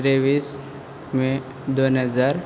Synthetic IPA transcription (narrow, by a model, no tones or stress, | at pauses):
ɾeʋiːs | mẽ | d̪onəzaɾ